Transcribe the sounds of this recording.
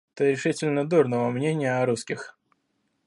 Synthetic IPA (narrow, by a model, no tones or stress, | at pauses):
ɛt̪əɾʲɪʂɨtʲɪlʲnəd̪urnəvəmnʲenʲɪjəɐɾuskʲɪx